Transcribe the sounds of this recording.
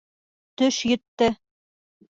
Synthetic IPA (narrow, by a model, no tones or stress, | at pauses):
t̪ɵʃjɵ̆t̪ːɘ